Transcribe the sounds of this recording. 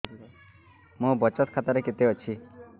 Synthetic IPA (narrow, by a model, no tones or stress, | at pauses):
mõbɔt͡ʃɔt̪kʰat̪aɾeket̪eɦot͡ʃʰi